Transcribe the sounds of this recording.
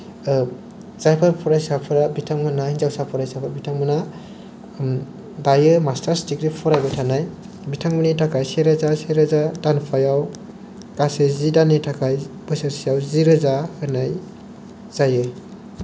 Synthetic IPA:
z̥ajpʰaɾpʰɔɾajsapʰɯɾabitʰaŋmɯnahinzawsapʰɔɾajsapʰɯɾbitʰaŋmɯna | bajɯmastʰaɾstikɾipʰɔɾajbatʰanaj | bitʰaŋmɯnitʰakʰajseɾazaseɾazadanpʰajaw | kasezidanitʰakʰajbɯsaɾsijawziɾɯzahɯnaj | z̥ajɯj

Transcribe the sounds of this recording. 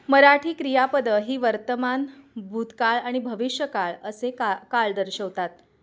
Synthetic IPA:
məɾaʈʰiːkɾijapəd̪əɦiːʋəɾt̪əmanbʱut̪kaɭaɽ̃ibʱəʋiʂjəkaɭəsekaɭd̪əɾɕəʋt̪at̪

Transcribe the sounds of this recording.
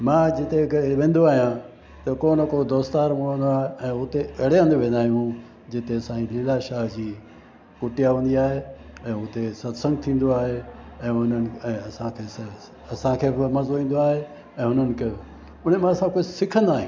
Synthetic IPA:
mãːd͡ʑɪt̪eʋẽːnd̪oaːɦijã | t̪ɐkoːnəkoːd̪oːst̪aːɾmʊɽ̤ə̃nd̪oaːɦeɛ̃ːʊt̪eʔɐɽeə̃nd̪ʋẽːn̆d̪aːɦijũ | d͡ʑɪt̪esaːĩlɪlaʃaːɦd͡ʑiː | kʊʈijaɦũːn̆d̪iaːɦeɛ̃ːʊt̪esɐt̪sə̃ŋɡt̪ʰĩːn̆d̪oaːɦeɛ̃ːʊnənɪ̆ɛ̃ːɐsãkʰeːs | ɐsãkʰeːbmɐzoĩːn̆d̪oaːɦe | ɛ̃ːɦʊn̤ənɪ̆kʰe | ʊn̤emãɐsãkoːisɪkʰə̃nd̪aːɦiũ

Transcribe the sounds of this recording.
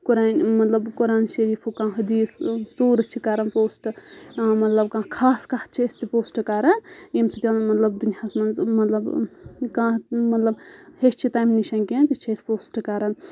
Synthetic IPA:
kuɾaːnmɐt̪lɐbkuɾaːnʃɐɾiːpʰukãːɦɐd̪iːssuːɾɐt͡ʃʰikaɾɐnpoːsʈɨmɐt̪lɐbkãːkʰaːskaht̪̚t͡ʃʰiesʲt̪ipoːsʈɨkaːɾɐnjimsit̪ʲanmɐt̪lɐbd̪unijasmɐnzmɐt̪lɐbkãːmɐt̪lɐbhet͡ʃt͡ʃʰit̪aːjmniʃɐnkent̪it͡ʃʰespoːsʈɨkaɾɐn

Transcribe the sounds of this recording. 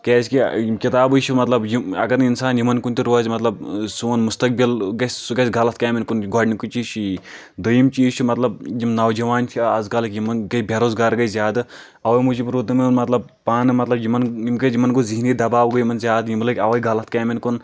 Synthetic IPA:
keːsʲkikit̪aːbujt͡ʃʰumɐt̪lɐbjiɐ̰ɡɐɾinsaːnjimɐnkunt̪iɾoːzmɐt̪lɐb̚sunmust̪ɐk̚bilɡɐsʲsuɡɐsʲɡɐlɐt̪̚ʰkaːminkunɡɔːɖnikut͡ʃiːt͡ʃʰ | d̪ojimt͡ʃiːt͡ʃʰumɐt̪lɐb̚jimnɐwd͡ʒɐʋaːnt͡ʃʰiazkɐlɐkjimɐnɡɐibʱʲeɾoːzɡaːɾɡɐjzʲjaːd̪ɨ | ɐʋɐjmud͡ʒibɾuːt̪ɨminunmɐt̪lɐb̚ | paːnɨmɐt̪lɐbjimɐnjimɡɐjimɐnɡoziɦinɡid̪ɐbaːbɡojimɐnzʲjaːd̪jimlɐkʲɐʋɐjɡɐlɐt̪̚ʰkaːminkun

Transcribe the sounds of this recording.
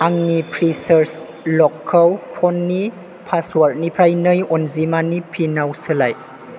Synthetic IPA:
aŋnipʰɾisəɾs | lɔkʰːəwpʰɔnːi | pʰaswaɾt̚nipʰɾajnɯjɔnzimanipʰinawsɯlaj

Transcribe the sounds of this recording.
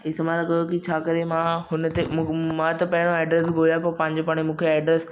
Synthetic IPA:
ɪsmãlakɐjokit͡ɕʰaːkɐɾemãɦʊnət̪emãt̪ɐpɐɦɪɽ̃oɛːɖɾɛs̬ɡʱojapoɾpãːɦɪ̃ɲ̆d͡ʑopaːɽ̃emũːkʰeɛːɖɾes

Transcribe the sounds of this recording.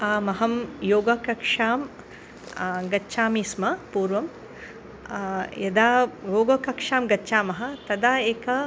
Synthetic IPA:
aːmɐɦɐmjoːɡɐkɐkʂaːm | ɡɐtːʃaːmiːsmɐpuːɾʋɐm | jɐd̪aːjoːɡɐkɐkʂaːmɡɐːt͡ʃaːmɐɦɐ̆t̪ɐd̪aːeːkɐ

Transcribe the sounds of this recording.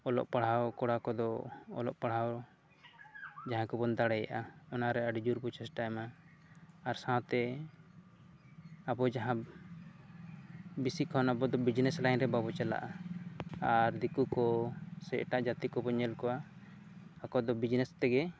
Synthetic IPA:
ɔlɔ̰ʔpaɽ̤awkɔɽakɔd̪ɔɔ̰lɔ̰ʔpaɽɦaw | d͡ʒaɦãkɔbɔnd̪aɽɛja̰ʔaɔnaɾɛaɖid͡ʒuɾbɔt͡ʃɛsʈajmaː | ɾsãt̪ɛ | abɔd͡ʒaɦã | bisikʰɔnabɔd̪ɔbid͡ʒnɛslajnɾɛbabɔt͡ʃala̰ʔa | aɾd̪ikukɔsɛʔʈaʔd͡ʒat̪ikɔbɔnːɛlkɔwaː | kɔd̪ɔbid͡ʒnɛst̪ɛɡɛ

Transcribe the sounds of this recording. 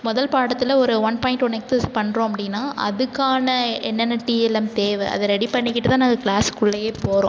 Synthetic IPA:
mʊðɐlpaːɽɐt̪ːɪlɐɔɾɯʋɐnpaːɪ̃ɳʈʋɔnɛksɛspɐɳːɾõːɐpːɐɽɪnːaːʔɐ̰ðɯkːaːnɐɛnːɛnːɐʈiːɛlɛmt̪eːʋɛʔɐ̰ðɐɾɛɽipɐɳːɪkːɪʈːɯt̪ãːnaːŋɡɐkɭaːskʊɭːɐjeːpoːɾõ̰

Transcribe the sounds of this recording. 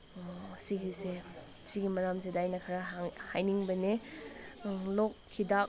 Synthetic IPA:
siɡise | siɡimɐɾams̬edajnɐkʰaɾahajniŋbɐne | lokʰːidak

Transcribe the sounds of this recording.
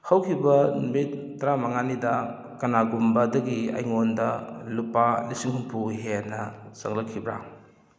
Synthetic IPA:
hɐwkʰibɐnumit̚tɐɾamɐŋanidɐ | kɐnaɡumbɐdɐɡiɐ̰jŋondɐlupalisiŋhuŋpʰuɦenɐsɐŋlɐkʰːibɾa̰ŋ

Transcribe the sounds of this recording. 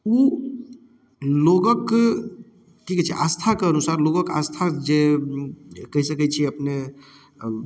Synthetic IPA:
u | loɡək | ʈikɛt͡ʃʰiʔast̪ʰakəənusaɾloɡəkast̪ʰad͡ʒe | kəɦisəkət͡ʃʰieɐpne

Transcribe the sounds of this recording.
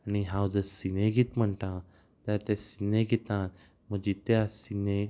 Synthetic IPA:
aniɦãwd͡zəsineɡit̪m̤əɳʈ̪ã | t̪aɾt̪ɛ̃sineɡit̪ãt̪ | m̤əɡd͡ʑit̪asine

